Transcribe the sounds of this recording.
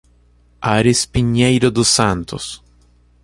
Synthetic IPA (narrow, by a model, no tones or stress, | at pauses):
aɾɪspiɲejɾʊd̪ʊsɐ̃nt̪ʊ̰s